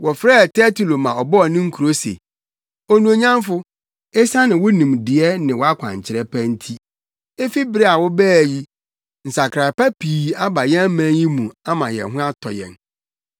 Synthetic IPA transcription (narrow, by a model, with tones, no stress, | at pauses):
wɔ˨fɾɛː˦˨tʰɛ˦tʰu˨lo˨mã˨ɔ˨bɔ˦ɔ˨nɪ̃˦ŋ̩˦kʰu˨ɾo˦sḛ˨ | ɔ˦nũ˨o˨ɲã˦m˦fʊ˦ | ɛ˦sa˦nɪ̃˨wʊ˦nĩ˨mdɪ˨ɛ˦nɪ̃˨wɔ˦a˦kʷʰã̰˨ɲ˨t͡ɕʰɪ˨ɾɛ˦pʰæ˦n̩˦tʰi˦ | e˦fi˦bɪ˦ɾe˦a˨wɔ˦bæː˦˨ji˦ | n̩˨sa˨kʰɾa˨pa˦pʰiː˨a˦ba˨jɛ̃˦mæ̃˦nji˦mũ˨ã˦mã˨jɛ̰˨ɦʊ̃˦a˦tʰɔ̰˨jɛ̰˨n